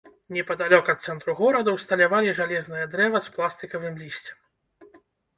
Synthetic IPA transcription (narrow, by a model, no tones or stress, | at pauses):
nʲɛpɐd̪alʲɔkɐt̪t̪sɛnt̪ɾuɣɔɾɐd̪ɐwst̪ɐlʲavalʲiʐalʲɛznɨjɐd̪ɾɛvɐsplˠast̪ɨkɐvɨmlʲisʲt͡sʲɛ̥m